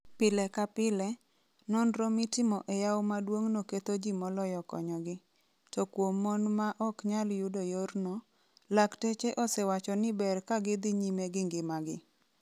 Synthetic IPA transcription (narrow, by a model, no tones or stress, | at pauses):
pɪlɛkapɪlɛ | nɔnɾɔmɪtɪmɔʔejawmadwoŋnoket̪od͡ʒimɔlɔjɔkɔ̰ɲɔɡɪ | tɔkwomːɔnmaʔɔkɲaljʊdojornɔ | laktet͡ʃeʔɔsewat͡ʃɔnɪbɛrkaɡɪd̪ɪɲimeɡɪŋɡɪmaɡɪ